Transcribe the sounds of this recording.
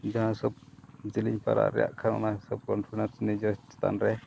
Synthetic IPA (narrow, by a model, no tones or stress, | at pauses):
d͡ʒaɦãsɔb̚d͡ʒiliɲpaɾa̰ɾɛja̰ʔkʰanɔ̰nahsɔp̚kɔnʰunasnid͡ʒɔst͡ʃɛ̥t̪a̰nɾɛ